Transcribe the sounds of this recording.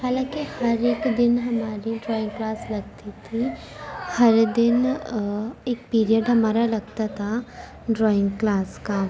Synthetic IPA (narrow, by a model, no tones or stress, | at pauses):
haːlãːkihɐɾeːkd̪ɪnɦɐmaːɾiɖɾɔːɪ̃ŋɡklaːslɐɡ̚t̪it̪ʰi | hɐɾd̪ɪn | eːk̚piːɾiəɖɦɐmaːɾalɐɡt̪at̪ʰa | ɖɾɔːɪ̃ŋɡklaːska